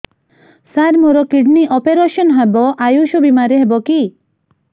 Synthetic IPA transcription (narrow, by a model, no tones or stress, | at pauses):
saɾmoɾɔkiɖniʔɔpeɾeʃɔnɦebɔʔajuʃobimaɾeɦebɔki